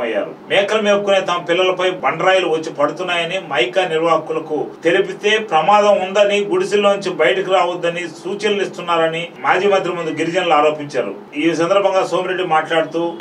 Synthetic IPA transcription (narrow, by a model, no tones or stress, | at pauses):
ɐjːa̰ːɾṵmɛːkɐlɐmeːbukuneːt̪ɐmɐpilːɐlɐpɐjbɐɳɖɐɾaːjuluʋɐt͡ʃːipɐɽut̪unːaːjɐnimɐjkaniɾʋaːkulɐkut̪e̞lipit̪e̞ːpɾɐmaːd̪ɐmund̪ɐniɡuɽisilːoːnuɲt͡ʃibɐjɐʈɐkiɾaːʋɐd̪ːɐnisuːt͡ʃɐɾlist̪unːaːɾɐnimaːd͡ʒiːmɐnt̪ɾimund̪uɡiɾid͡ʒɐnɐlaːɾo̞ːpiɲt͡ʃa̰ːɾṵ | iːs̬ɐnd̪ɐɾbʱɐŋɡaːso̞ːmɾe̞ɖːimaːʈlaːɽut̪uː